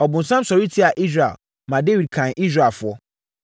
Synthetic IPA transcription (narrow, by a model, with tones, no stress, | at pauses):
ɔ˨bʊ̃˨n̩˨sã˦msɔ˨ɾi˦tʰi˦a˨ʔi˦s̬ɾa̰˨l | mã˨de˦wi˨d̚kʰã˨ni˦s̬ɾa˨lfʊ˨ɔ˦